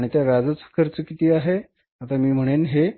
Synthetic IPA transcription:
aɽit̪jaʋjad͡zət͡sə̥kʰəɾt͡səkit̪iːaɦe | at̪amiːm̤əɽ̃enɦe

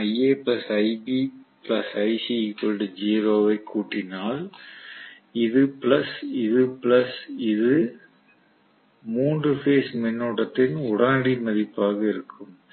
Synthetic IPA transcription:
ɐɪeːpɪlɐsɐɪbiplɐsɐɪsikːɔlɽɯd͡ʒiːɾoːʋɐɪkʰːuːʈːɪnaːl | ɪðɯpɪlɐsɪðɯpɪlɐsɪðɯ | muːndrɯfeːsmɛnːuːɽɐt̪ːɪnʊɽɐnɽimɐðɪpːaːɣɐɪɾɯkʰːɯm

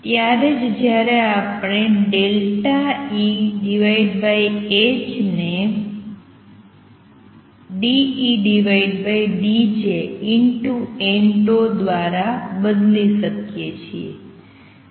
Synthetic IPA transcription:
t̪jaɾed͡ʒd͡ʒjaɾeapɳ̃eɖelʈaiɖiʋaiɖbaiet͡ʃne | ɖiiɖiʋaiɖbaiɖid͡ʒeiɳʈueɳʈod̪ʋaɾabəd̪liʃəkjet͡ʃʰiḛ

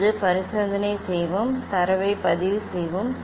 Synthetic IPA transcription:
ðɯpɐɾɪsɐnd̪ɐnɐɪsɛjʋɯmt̪ɐɾɐʋɐɪpɐðɪʋɯsɛjʋɯm

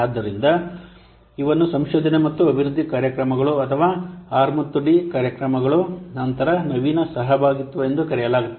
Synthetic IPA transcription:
aːd̪ːɐɾind̪ɐ | iʋɐnːusɐmʃɔːd͡ʒ̪ɐnemɐt̪ːuɐbʱiɾud̪ʱːikaːɾjɐkɾɐmɐɡɐɭuɐt̪ʰɐʋaːaːɾmɐt̪ːuɖikaːɾjɐkɾɐmɐɡɐɭunɐnt̪ɐɾɐnɐʋinɐsɐɦɐbʱaːɡit̪ːuʋuend̪ukɐɾɛjɐlaːɡut̪ː

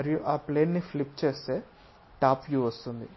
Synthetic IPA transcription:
ɐɾijuʔaːpleːnːiflipt͡ʃeːst̪eː | ʈaːpʋjuʋɐst̪und̪i

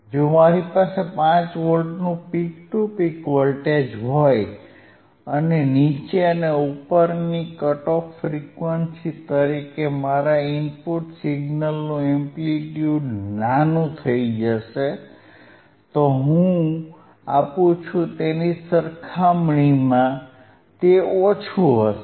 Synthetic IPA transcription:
d͡ʒomaɾipasepãt͡ʃʋəlɖnũpik̚ʈupikʋəlʈed͡ʒɦoj | ənenit͡ʃeəneupəɾnikəʈokʰfɾikʋənsit̪əɾikemaɾaimpuʈsiɡnəlnũempliʈjuʈnanũt̪ʰəid͡ʒəʃe | t̪oɦũ | apũt͡ʃʰũt̪enisəɾkʰamɳimã | t̪eot͡ʃʰuɦəʃ

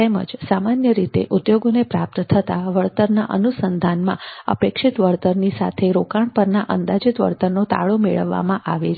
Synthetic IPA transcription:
t̪emə̰d͡ʒsamanjəɾit̪ḛʔud̪joɡonepɾap̚t̪t̪ʰət̪aʋəɭt̪əɾnaʔənusənd̪ʱanmã̰ə̰pekʂɪt̪ʋəɾt̪əɾnisa̰t̪ʰeɾokaɳpəɾnaʔənd̪ad͡ʒɪt̪ʋə̰ɾt̪əɾnot̪a̰ɭomeɭə̰ʋːa̰mãʔaʋet͡ʃʰ

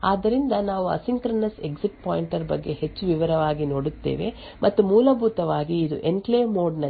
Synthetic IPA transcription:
aːd̪ːɐɾind̪ɐnaːʋuɐ̰siŋkɾɐnɐse̞̰ɡd͡ʒiʈpaːjiɳʈɐɾbɐɡːe̞het͡ʃːuʋiʋɐɾɐʋaːɡino̞ːɽut̪ːḛːʋe̞̰ | mʔɐt̪ːumuːlɐbʱuːt̪ɐʋaːɡiːd̪ṵʔeɳʈleːmo̞ːɖnɐ

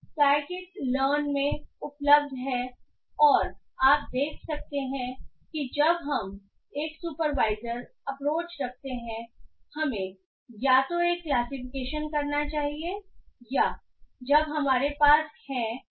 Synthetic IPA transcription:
saːɾkɪʈ̚ləːnmẽʊpləb̚d̪ʱɦɛ | ɔːɾ | aːp̚d̪eːkʰsɐk̚t̪eɦɛ̃kid͡ʒɐbɦɐm | eːksuːpəɾʋaːɪzəɾɐpɾoːt͡ʃɾɐk̚ʰt̪eɦɛ̃hɐmẽ | jaːt̪oeːkːlaːsɪfɪkeːʃənkɐɾnat͡ʃaːɦieja | d͡ʒɐbɦɐmaːɾepaːshɛ̃

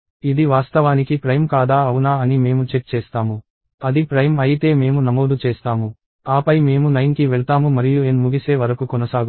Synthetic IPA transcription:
id̪iʋaːst̪ɐʋaːnikipɾɐjmkaːd̪aːɐwunaːɐnime̞ːmut͡ʃe̞ʈ̚t͡ʃeːst̪aːmu | ɐd̪ipɾɐjmɐjit̪e̞ːme̞ːmunɐmoːd̪ut͡ʃeːst̪aːmu | aːpɐjme̞ːmunɐjnkiʋeɭɐt̪aːmumɐɾijuenmuɡise̞ːʋɐɾɐkukɔnɐsaːɡu

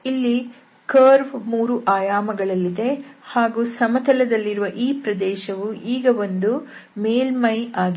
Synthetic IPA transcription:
ilːi | kɐːɾʋmuːɾuʔaːjaːmɐɡɐɭɐlːid̪e̞haːɡuːsɐmɐt̪ʰɐlɐd̪ɐlːiɾuʋɐʔiːpɾɐd̪ɛːʃɐʋuʔiːɡɐʋo̞nd̪u | meːlmɐjaːɡi

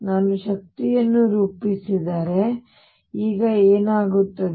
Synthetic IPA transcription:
naːnuʃɐk̚t̪ijɐnːuɾuːpisid̪aːɾe̞ | iːɡɐeːnaːɡut̪ːɐd

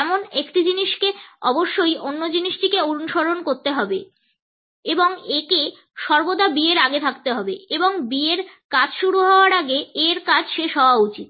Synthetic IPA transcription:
ɛmonekʈid͡ʑiniʃkeɔboʃːojonːod͡ʑiniʃʈikeuɾunʃoɾonkoɾt̪eɦɔbe | eboŋeke | ʃɔɾbod̪abieɾaɡet̪ʰak̚t̪eɦɔbeeboŋbieɾkad͡ʑʃuɽuɦɔoaɾaɡeeɾkad͡ʑʰʱʃeʃɦɔoaut͡ɕit̪̚

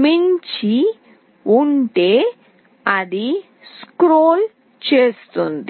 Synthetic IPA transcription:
miɲt͡ʃi | uɳʈeː | ɐd̪i | skɾoːl | t͡ʃeːst̪und̪i

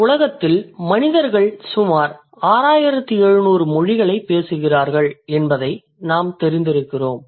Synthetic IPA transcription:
ʊlɐɣɐt̪ːɪlmɐnɪðɐɾɣɐɭsʊmaːɾ | aːɾaːjɪɾɐt̪ːiɛɻɯnuːrɯmɔɻɪɣɐɭɐɪpːeːsɯɣɪraːɾɣɐɭɛnbɐðɐɪ | naːmt̪ɛɾɪnd̪ɪɾɯkːɪroːm

